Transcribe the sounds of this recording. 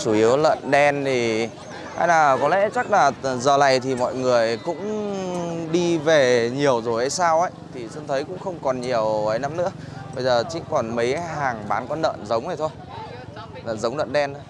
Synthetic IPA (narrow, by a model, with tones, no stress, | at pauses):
t͡ɕu˧˩ʔi˨˦əwlə̰˧˨nɗɛ˧nt̪ʰi˨˩ | ha̰˧jnaː˨˩kɔ˨˦lɛ̰˧˥t͡ɕa˦˥k̚laː˨˩zəː˨˩la˨˩jt̪ʰi˨˩mɔ̰˧˨jŋɨ˨˩əjkʊ̰˧˥ŋ͡m | ɗi˧ve˨˩ɲi˨˩əwzo˨˩jʔə˧˦jsaː˧wʔə˧˥jt̪ʰi˨˩sə˧nt̪ʰə˨˦jkʊ̰˧˥ŋ͡mxə˧wŋ͡mkɔ˨˩nɲi˨˩əwʔə˨˦jna˨˦mnɨ̰˧˥əɓə˧jzəː˨˩t͡ɕï˧˥ŋkɔ˨˩nmə˨˦jɦaː˨˩ŋɓaː˨˦nkɔ˨˦nə̰ː˧˨nzə˨˦wŋ͡mzə˨˩t̪ʰo˧j | nə̰ː˧˨nzə˨˦wŋ͡mlə̰˧˨nɗɛ˧n˨˧